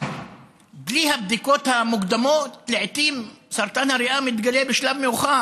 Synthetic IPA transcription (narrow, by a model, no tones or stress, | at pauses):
ɡliːhab̚d̪ikoːt̪hamʊɡd̪amoːt̪ːleʕt̪iːmsɑɾˤt̪anhaɾɪʔaːmɪt̪ɡaleːbɪʃlabmɪxɑː